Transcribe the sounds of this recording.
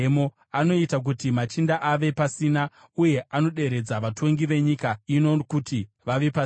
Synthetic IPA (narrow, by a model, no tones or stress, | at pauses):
mo | ano̞itak̬utimat͡ʃindaʔaʋe̞pasina | uje̞ʔano̞ɗe̞ɾe̞d͡zaʋatʰo̞ŋɡiʋe̞ɲikainokuti | ʋaʋe̞pa